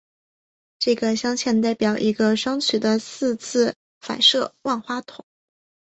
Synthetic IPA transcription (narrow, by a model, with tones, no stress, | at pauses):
ʈ͡ʂɤ˥˩ɡə˩ɕjɑ˥ŋt͡ɕʰjɛ˥˧nt̪a˥˩ɪpjɑ˨˩ʊʔi˧˥ɡə˧ʂwɑ˥ŋt͡ɕʰy˨˩d̪ə˦sɹ̩˥˧t͡sʰɹ̩˥˩ | fa̰˨˩ɪʂɤ˥˩wa˥˩nxwa˥t̪ʰʊ˨˩˦ŋ